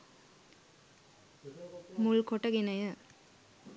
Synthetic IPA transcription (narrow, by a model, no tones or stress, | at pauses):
mʊɭkɔʈːɐɡɪnɐjɐ